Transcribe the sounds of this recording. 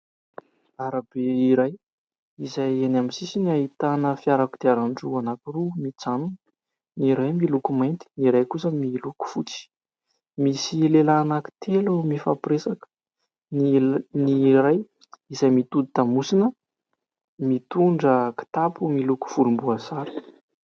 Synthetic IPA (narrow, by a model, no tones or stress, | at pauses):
aɾab̥eiɾaj | izajenaminsisiniaɦit̪anəfiaɾakud̪̥eaɾanʈ͡ʂuanakurumit͡sanun | niɾajmilukumajnt̪i̥niɾajkusəmiluku̥fut͡si̥ | misilelanaki̥t̪ʰelumifapɾesakə̥ | nniɾaj | izajmit̪ud̪it̪amusinə | mit̪uɳɖ͡ʐəki̥t̪apumiluku̥fulumbuazaɾi̥